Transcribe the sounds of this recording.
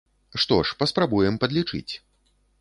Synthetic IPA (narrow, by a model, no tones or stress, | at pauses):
ʂt̪ɔʂpɐspɾabujɛmpɐd̪lʲit͡ʂɨ̰t͡sʲ